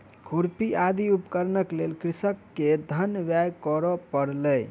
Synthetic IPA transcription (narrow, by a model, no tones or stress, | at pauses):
kʰuɾpiʔad̪iupkəɾnəklelkɾisəkːed̪ʱənʋjajkɔɾɔpəɾləj